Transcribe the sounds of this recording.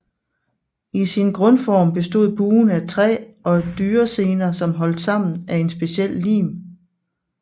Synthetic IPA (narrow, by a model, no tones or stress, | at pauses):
isinɡ̥ʁɔ̽nfɒːmb̥e̝sd̥o̝ð̞̰ˠb̥uːnæt͡sʰʁɛ̰ːɒ̽d̥yːɐse̝ːnɐsɒ̽mɦɒ̽l̰d̥sɑ̈m̰n̩æe̝nsb̥e̝ɕiel̰lḭːm